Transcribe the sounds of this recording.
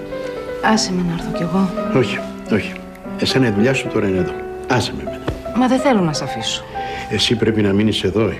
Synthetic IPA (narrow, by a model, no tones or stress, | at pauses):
ɐsemenɐeɾθoce̞ɣo̞o̞çi̥ | o̞çi̥ | esɐnɐiðuʎɐsut̪o̞ɾɐineðo̞ | ɐsememenɐmɐðeθe̞lonɐsɐfisu̥e̞sipɾepinɐminise̞ðo̞